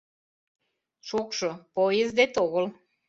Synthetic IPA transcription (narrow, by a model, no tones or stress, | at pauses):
ʃokʃopojezd̪et̪oɣəl